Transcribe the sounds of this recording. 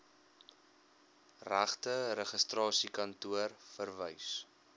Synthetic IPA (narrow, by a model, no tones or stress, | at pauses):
ræ̰χtəɾəχəstrɑːsikɐntuərfərvəjs